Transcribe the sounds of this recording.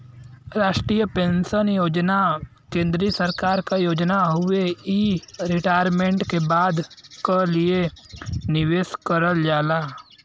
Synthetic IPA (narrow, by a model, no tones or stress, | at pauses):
ɾaːʃʈɾiːjəpẽːnsənjoːd͡ʒna | kẽːnd̪ɾisəɾkaːɾkajoːd͡ʒnaɦʊeiɾɪʈaːjəɾmẽɳʈkebaːd̪kolienɪʋeːskəɾəld͡ʒaːlaː